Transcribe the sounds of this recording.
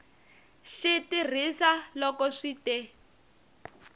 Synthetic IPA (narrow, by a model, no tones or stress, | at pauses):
ʃitir̤isalɔkɔʂitɛ